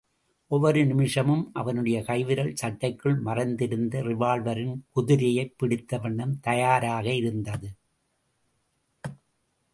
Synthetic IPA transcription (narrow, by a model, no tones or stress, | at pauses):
ʔɔʋːɔɾɯnɪmɪʂɐmɯmʔɐʋɐnɯɽɐjɐkɐɪʋɪɾɐɭsɐʈːɐɪkːɯɭmɐrɐnd̪ɪɾɯnd̪ɐrɪʋaːɭʋɐɾɪnkʊðɪɾɪjɐɪpːɪɽɪt̪ːɐʋɐɳːɐmt̪ɐjaːɾaːɣɐɪɾɯnd̪ɐðɯ